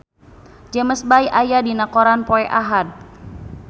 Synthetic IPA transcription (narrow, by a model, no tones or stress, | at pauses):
d͡ʒəməsbajʔajadinakoɾanpoɛʔaɦad̚